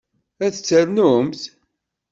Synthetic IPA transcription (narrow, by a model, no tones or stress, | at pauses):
æθət͡sːəɾnumθ